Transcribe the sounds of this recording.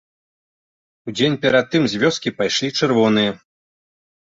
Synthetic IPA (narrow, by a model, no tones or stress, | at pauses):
ud͡zʲenʲpʲɛɾat̪̚ːɨmzʲvʲɔskʲipajʂlʲit͡ʂɨrvɔnɨjɐ